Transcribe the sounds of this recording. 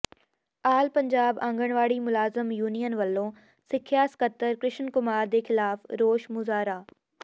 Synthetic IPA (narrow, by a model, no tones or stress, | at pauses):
aːlpɐ̃ɲd͡ʑaːbãːŋɡəɽ̃ʋaːɽimʊlaːzəmjuːnijənʋɐlːõː | sɪkʰjaːskət̪ːəɾkɾɪʃənkʊmaːɾd̪eːxɪlaːfɾoːʃmʊzaːɾaː